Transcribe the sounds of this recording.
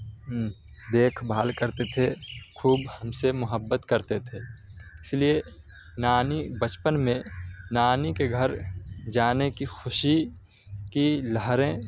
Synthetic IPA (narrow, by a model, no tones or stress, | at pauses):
d̪eːkʰbʱaːlkəɾt̪et̪ʰexʰuːbhəmsemʊɦəbːət̪kəɾt̪et̪ʰeːɪslie | naːnibət͡ʃpənmẽnaːnikeɡʱəɾd͡ʒaːnekixʊʃi | kiləɦɾẽ